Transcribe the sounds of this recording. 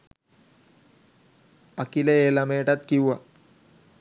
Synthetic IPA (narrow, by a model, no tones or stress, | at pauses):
ɐkilɐeːlɐmeːʈɐt̪kiwa